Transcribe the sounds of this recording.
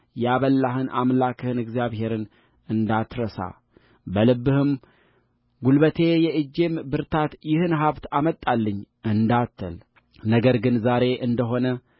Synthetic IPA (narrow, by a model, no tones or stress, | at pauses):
jɛaβəlːaɦɨnʔa̰mlakʰɨhɨnɨɡzjaβhe̞ɾɨn | ɨnd̪at̪ɾəsa̰ | bəlɨbːɨhɨm | ɡulbət̪ʰe̞jɛʔɨd͡ʒembɨɾt̪ʰat̪jɪhɨnɦaβt̪amət̪ʼːalːəɲː | ɨnd̪at̪ʰːəl | nəɡəɾɡɨnzaɾe̞ʔɨnd̪əɦo̞nə